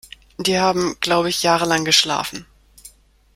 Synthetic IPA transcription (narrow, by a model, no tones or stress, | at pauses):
d̥iːhaːbm̩ɡ̥laʊbəɪçjaːʁəlaŋɡəʃla̰ːfn̩